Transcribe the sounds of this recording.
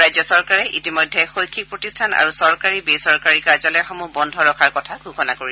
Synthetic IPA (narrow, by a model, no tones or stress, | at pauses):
ajzɔsɔɹkaɹɛʔitimɔjdʱːɛxojkʰːik̚pɹotistʰana̰ɹusɔɹkaɹibesɔɹkaɹikaɹzalɛxɔmubɔndʱɔɹɔkʰaɹkɔtʰaɡʱukʰɔnakoɹi